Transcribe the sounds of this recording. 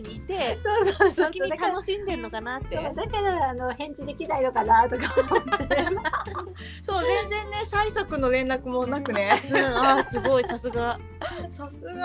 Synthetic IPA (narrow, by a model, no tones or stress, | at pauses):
it̪e̞soːsosokiiat̪ano̞ɕĩnd̪ẽ̞nːo̞kanat̪ːed̪ake̞d̪oano̞hẽ̞ɲ̟t͡ɕid̪e̞kʲinaiɾokanaɯt̪okaet | so̞ːzẽ̞nzẽ̞nːe̞saisakɯ̟no̞ɾẽ̞nɾakɯ̟mo̞nakɯ̟ne̞ɯ̃asɨɡo̞isasɨɡa | sasɨɡa